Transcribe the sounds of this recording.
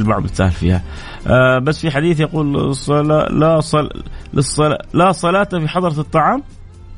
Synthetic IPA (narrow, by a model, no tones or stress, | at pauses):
lmaʕmɪt̪sa̰ːlfḭːha | basːfiħad̪iːθjaquːlsˤla̰lasˤɑlɨsˤːɑla̰lasˤɑlɑːt̪afiħɑd̪ˤɑɾˤɑt̪ˤːɑʕɑːm